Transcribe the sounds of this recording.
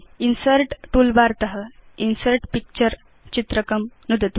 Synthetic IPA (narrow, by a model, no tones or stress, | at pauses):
insəɾʈʈulbaɾt̪əɦəinsəɾʈpik̚t͡ɕəɾ | t͡ɕit̪ɾəkəmnud̪ət̪